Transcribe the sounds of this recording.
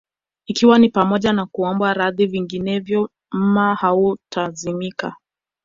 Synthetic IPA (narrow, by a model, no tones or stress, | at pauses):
ikiwanipamɔʄanakuɔmbaɾaðiviŋɡinɛvjɔ | m̩mahautazimika̰